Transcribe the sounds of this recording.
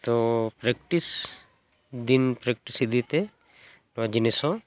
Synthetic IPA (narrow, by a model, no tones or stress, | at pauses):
t̪opɾek̚ʈis | d̪inpɾek̚ʈisid̪it̪e | nad͡ʒinisõ